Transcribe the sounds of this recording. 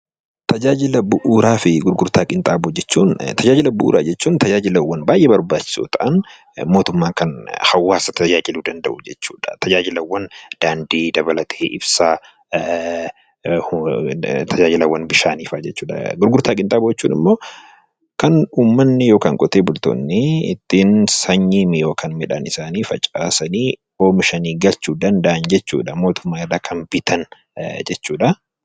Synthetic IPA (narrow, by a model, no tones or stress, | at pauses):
t̪ʰɐd͡ʒaːd͡ʒɪlɐbʊʔuːɾaːfɪɡʊɾɡʊɾt̪aːkʼɪnt̪ʼaːbʊd͡ʒɛt͡ʃːuːnt̪ʰɐd͡ʒaːd͡ʒɪlɐbʊʔṵːɾʔaːd͡ʒɛt͡ʃːuːnt̪ʰɐd͡ʒaːd͡ʒɪlɐwːɐnbaːjʔeːbɐɾbaːt͡ʃːɪ̥sṵːt̪ɐʔɐn | mo̞ːt̪ʊmːaːŋkɐnhɐwːaːsɐt̪ʰɐd͡ʒaːd͡ʒɪluːd̪ɐnd̪ɐʔʊd͡ʒɛt͡ʃːu̥ːᶑɐ̥t̪ʰɐd͡ʒaːd͡ʒɪlɐwːɐnd̪̥aːnd̪iːd̪ɐbɐlɐt̪ʰeːʔɪbsaː | t̪ʰɐd͡ʒaːd͡ʒɪlɐwːɐnbɪʃaːniːfaːd͡ʒɛt͡ʃːuːᶑɐ̰ɡʊɾɡʊɾt̪aːkʼɪnt̪ʼaːboːt͡ʃːṵːnɪ̰mːoː | kɐnuːmːɐnːɪjo̞ːkaŋkʼɔt̪eːbʊlt̪o̰ːnːɪɪt̪ːɪnsɐɲːiːmɪjo̞ːkʰɐnmɪᶑɐnɪsaːniːfɐt͡ʃʼaːsɐniː | o̞ːmɪʃɐniːɡɐlt͡ʃːuːd̪ɐnd̪ɐʔɐnd͡ʒɛt͡ʃːṵːᶑɐmoːt̪ʊmːaːɪrːaːkʰɐnbɪt̪ʰɐn | d͡ʒɛt͡ʃːuːᶑɐ